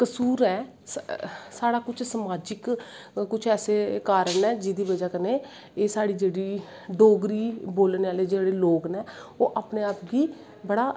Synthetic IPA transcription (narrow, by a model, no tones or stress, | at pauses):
kəsuːɾɛː | ssaːɽaːkʊt͡ʃʰsəmaːd͡ʒɪk | kʊt͡ʃʰɛːseːkaːɾənɛːd͡ʒɪd̪iːbəd͡ʒaːkəneː | eːsaːɽiːd͡ʒeːɽiː | ɖoːɡɾiːboːlneːaːleːd͡ʒeːɽeːloːɡnɛːoːʔaːpneːaːpɡiː | bəɽaː